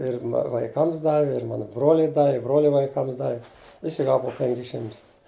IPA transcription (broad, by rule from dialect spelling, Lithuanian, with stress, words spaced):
ˈɪr ʋɐɪˈkɐms ˈdɑːʋʲɪ ɪr ˈmɑːnʊ ˈbroːlʲʊɪ ˈdɑːʋʲɪ ɪ ˈbroːlʲɛ ʋɐɪˈkɐms ˈdɑːʋʲɪ ˈʋʲɪsʲɪ ˈɡɑːʋɐ pʊ ˈpʲɛŋʲkʲɪs ˈʃʲɪmtʊs